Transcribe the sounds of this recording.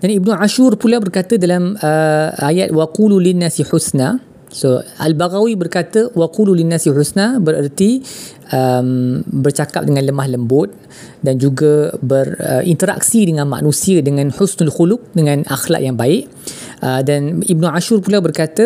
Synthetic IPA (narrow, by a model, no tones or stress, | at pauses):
d̥anibnũʕaʃurpulabərkat̪ədalaməajat̪̚waqululinːasiħusna | soʔa̰lbaɣawibərkat̪əwaqululinːasiħusnabəɾərt̪i | əmbərt͡ʃakap̚dəŋãnləmahləmbʊt̪̚ | dand͡ʒuɡabərə̰ʔint̪əɾa̰k̚sidəŋãnma̰ʔnũsiədəŋãnħusnalxulʊk̚dəŋãnʔa̰xla̰ʔ̚jaŋbaɪʔ | ʔədanib̚nuʕaʃurpulabərkat̪ə